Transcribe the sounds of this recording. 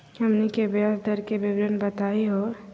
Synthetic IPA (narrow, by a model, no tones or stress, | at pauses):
ɦɐmnikebjaːsd̪ʱəɾkebɪbɾənbət̪aːiɦo